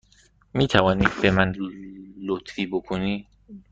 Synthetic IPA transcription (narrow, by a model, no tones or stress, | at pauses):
miːt̪ʰævɒːniːd̪̚be̞mæn | lot̪ʰfiːbokʰoniː